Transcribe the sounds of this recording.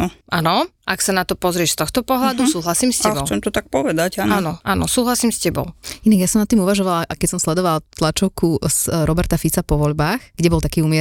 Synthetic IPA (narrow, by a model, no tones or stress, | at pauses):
ɔʔanɔʔaksanat̪ɔpɔzɾɪɛʃst̪ɔxt̪ɔpɔɦlad̪usuːɦlasiːmscɛbt͡sɛmt̪ɔt̪ak̚pɔʋɛd̪acanaɔːnɔʔanɔsuːɦlasiːmscɛbɔ̰ʊinaɡjasɔmnat̪ːiːmuʋaʒɔʋalaʔakɛcsɔmslɛd̪ɔʋalt̪lat͡ʃɔʊkʰusɾɔbɛɾt̪afit͡sapɔʋɔʎbaːxɡ̥ɟɛbɔlt̪akiːumɪɛ